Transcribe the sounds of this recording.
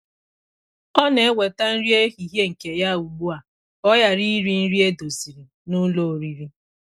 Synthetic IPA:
ɔ˦ne˨e˦wʷe˨ta˦n̩˦ɾi˦e˦ɦi˨ɦje˦ŋ̩˨ke˨ja˦˨u˨ɡ͡bu˦a˨ | ɔ˦ja˨ɾi˦ɾi˦n̩˦ɾi˦e˦do˨si˨ɾi˨ | nʊ˦lo˨o˨ɾi˨ɾi˦

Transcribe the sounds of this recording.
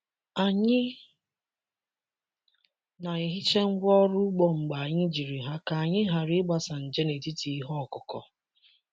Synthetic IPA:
a˨ɲɪ˦ | na˨i˨ɦi˦t͡ʃe˦ŋ̩˦ɡʷɔ˦ɾʊ˦ɡ͡bɔ˦ŋ͡m̩˨ɡ͡ba˨a˨ɲɪ˦d͡ʒi˨ɾi˨ɦa˦ka˨a˨ɲɪ˦ɦa˨ɾɪ˦ɡ͡ba˨sa˨n̩˨d͡ʒe˦ne˨ti˦ti˨i˦ɦɔ˦˨kʊ˨kɔ̰˨

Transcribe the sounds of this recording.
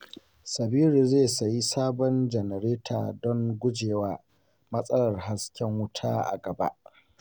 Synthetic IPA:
sɐ˨biː˦ɾi˨zeː˦˨sɐ˨ji˦saː˦bɔ˦nd͡ʒɛ˨nɛ˨ɾeː˦tʰa̰ː˨dɔ˦ŋɡʷʊ˦d͡ʒeː˨waː˦ | mɐ˦sʼɐ˦lɐ˨rɦa˦skʲɛ˦ŋwʊ˦tʰa̰ː˦ʔa̰˨ɡɐ˨ba̰˦ʔ

